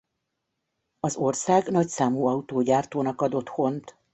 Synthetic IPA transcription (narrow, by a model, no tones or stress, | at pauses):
ɒzo̞rsaːɡnɒcsaːmuːɒut̪oːɟaːrt̪oːnɒkɒd̪o̞t̪ho̞nt̪